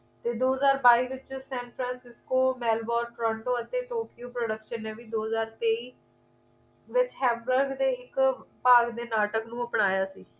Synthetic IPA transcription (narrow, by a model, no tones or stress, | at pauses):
t̪eːd̪oːɦəzaːɾbaːiːʋɪt͡ʃsɛ̃ːnpʰɾɛ̃ːnsɪskoːmɛːlbɔːɾʈɾɔ̃ːɳɖoːət̪eːʈoːkijuːpɾoɖəkʃənːeːʋiːd̪oːɦəzaːɾt̪eːiː | ʋɪt͡ʃɦɛ̃ːmbəɾɡd̪eːɪkpaːɡd̪eːnaːʈəknũːəpɳaːjaːsiː